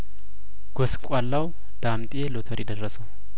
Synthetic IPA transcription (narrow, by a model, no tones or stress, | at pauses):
ɡ̥oskʷʼalːaw | d̪̥amt̪ʼelot̪ʰəɾʔɪd̪ərːəsəw